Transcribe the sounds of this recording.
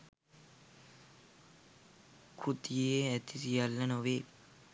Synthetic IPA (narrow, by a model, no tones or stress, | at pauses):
kʰut̪ijeeæt̪isijɐlːɐnoʋeː